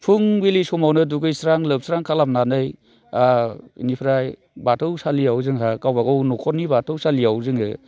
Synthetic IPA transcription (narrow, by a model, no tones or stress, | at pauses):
pʰuŋbilisɔmawnɯdukɯjsɾaŋlɯp̚sɾaŋkʰalam̚nanɯj | aḭnipʰɾaj | batʰɯwsaliawzɯŋɦakawbaɡɯwnɔkʰɔɾnibatʰɯwsaliawzɯŋɯ